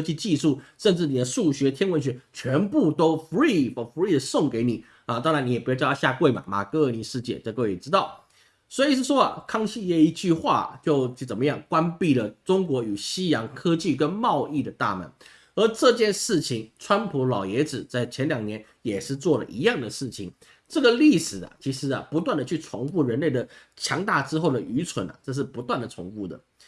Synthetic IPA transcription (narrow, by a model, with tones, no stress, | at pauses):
t͡ɕi˥˧t͡ɕi˥˧ʂu˥˩ʂə˥˧nʈ͡ʂɻ̩˥˩ni˨˩d̪ə˦ʂu˥˩ɕɥɛ˧˥t̪ʰjɛ˥nwə˧˥nɕ̬ɥɛ˧˥t͡ɕʰɥɛ˧˥npu˥˩t̪o˥ʊfu˧˥i˥˩fɔ˨˩fu˧˥i˥˩d̪ə˩sʊ˥˩ŋke˧˥ɪni˨˩ | ə˨˧t̪ɑ˥ŋɻa˧˥ni˧˥jɛ˨˩pjt͡ɕɑ˥˧˥ɕja˥˧kwe˥˩ɪmɐ̰˩ma̰˨˩kɤ˥ə˧˩ni˧˨˩ʂɻ̩˥˧t͡ɕjɛ̰˥˩ʈ͡ʂɤ˥˧kwḭ˨˩ʈ͡ʂɻ̩˥t̪ɑ˥˩ʊ | swɔ˧˥i˨˩ʂɻ̩˥˩ʂwɔ˥ɐ̰˨kʰɑ˥ŋɕi˥˧jɛ˥˧i˧˥t͡ɕy˥˧xwa̰˥˩t͡ɕjo˥˩ʊ˧˩t͡sə˨˩nmə˦jɑ˥˩ŋkwa˥npi˥˩lə˩ʈ͡ʂʊ˥ŋkwɔ˧˥y˨˩ɕi˥jɑ˧˥ŋkʰɤ˥t͡ɕi˥˩kə˥nmɑ˥˧ʊi˥˩d̪ə˩t̪a˥˩mə̰˧˥n | ə˧˥ʈ͡ʂɤ˥˧t͡ɕjɛ˥˧nʂɻ̩˥˩t͡ɕʰi˧˩ŋʈ͡ʂʰwa˥npʰu˧˥lɑ˨˩ʊjɛ˧˥ʈ͡ʂɻ̩˨˩t͡sa˥˩ɪt͡ɕʰjɛ˧˥nljɑ˨˩ŋnjɛ˧˥n | jɛ˨˩ʂɻ̩˥˧t͡swɔ˥˩lə̰˨ʔi˧˥jɑ˥˩ŋd̪ə˩ʂɻ̩˥˩t͡ɕʰi˨˩ŋ | ʈ͡ʂɤ˥˩ɡə˩li˥˩ʂɻ̩˨˩ɐ̰˩t͡ɕʰi˧˥ʂɻ̩˧˥ɐ̰˨pu˧˥t̪wa˥˩nd̪ə˩t͡ɕʰy˥˩t͡sʰʊ˧˥ŋfu˥˩ɻə˧˥nle˥˩ɪd̪ə˩t͡ɕʰjɑ˧˥ŋt̪a˥˩ʈ͡ʂɻ̩˥xo˥˩ʊd̪ə˩ʔy˧˥t͡sʰwə̰˧˥nɐ̰˨˩ʈ͡ʂɤ˥˧ʂ̬̩˥˩pu˧˥t̪wa˥˩nd̪ə˩t͡sʰʊ̰˧˥ŋfu˥˩d̪ə̰˩